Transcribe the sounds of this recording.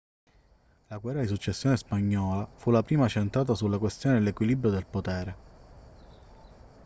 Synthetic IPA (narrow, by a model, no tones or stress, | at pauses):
laɡwɛːrːad̪isut͡ʃːesːjoːnespaɲːɔːlafulapɾiːmat͡ʃent̪ɾaːt̪asulːakwest̪joːned̪elekwilibɾjod̪elpot̪ɛːɾe